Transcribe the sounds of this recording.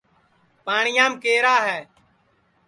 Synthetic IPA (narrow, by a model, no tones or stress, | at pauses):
paːɳɪjãːmkeːɾaːɦɛː